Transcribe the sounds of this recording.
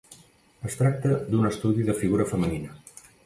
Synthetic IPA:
əst̪ɾak̚t̪əd̪unəst̪uðiðəfiɣuɾəfəməninə

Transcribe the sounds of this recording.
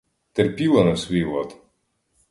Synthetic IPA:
t̪ɛrpʲilˠɐnɐsʲʋʲiʋɔ̰t̪

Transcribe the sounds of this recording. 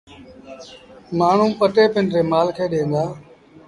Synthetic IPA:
maːɳ̤ũːpəʈeːpɪnɾeːmaːlkʰeːɗẽːŋd̪aː

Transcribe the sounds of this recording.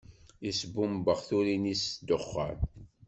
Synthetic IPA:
isbumbəʁθuɾinisd̪oχːæ̰n

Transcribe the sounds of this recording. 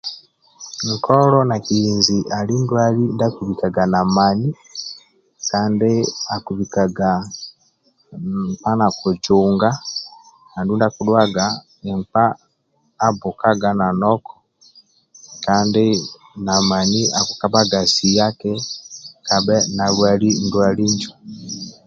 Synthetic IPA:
ŋkʰɔlɔnakijinziʔalindwalindakuβikaɡanamani | kaːndeakuβikaɡa | mpanakud͡ʒuːŋɡa | nandundakuɗwaɡa | ɛmpaː | bukaɡananɔkɔ̥ | kaːnde | namaniakukabaɡasijakɛkabɛnaɡwalindwaliɲd͡ʒu

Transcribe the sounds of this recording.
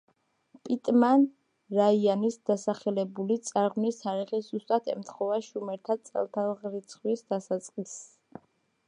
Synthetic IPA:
pʼit̪ʼman | ɾaianisd̪̥asaχɛlɛbulit̪sʼaɾʁnist̪ʰaɾiχisz̥ust̪ʼat̪ʰɛ̰mt̪ʰχɔvaʃumɛɾt̪ʰat̪sʼɛ̰lˠt̪ʰalˠʁɾit̪sʰχwisd̪̥asat̪sʼqʼis

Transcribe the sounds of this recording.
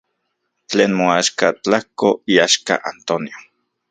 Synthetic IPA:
t͡ɬeːnmoaʃkat͡ɬahkoiaʃka̰ʔant̪onjo

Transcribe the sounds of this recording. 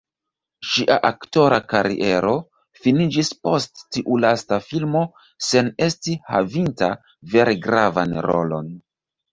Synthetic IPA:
ʃiʔa̰ʔakto̞ɾakaɾḭʔe̞ɾo̞ | finid͡ʒispo̞stːiʔulastafilmo̞ | se̞ne̞stihavinta | ve̞ɾeɡɾava̰nɾo̞̰lo̞̰n

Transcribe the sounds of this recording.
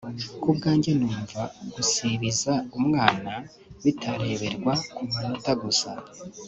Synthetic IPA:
kubɡaːɲɟe̞nuːɱvaɡ̥usiβizaumŋaːna | βitʰaɾe̞βe̞ɾɡwakumanotaɡusa̰

